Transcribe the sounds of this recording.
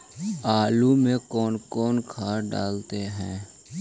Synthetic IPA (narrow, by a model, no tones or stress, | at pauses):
aːlumẽkɔːnkɔːnkʰaːɖa̰ːlt̪eɦɛ̃ː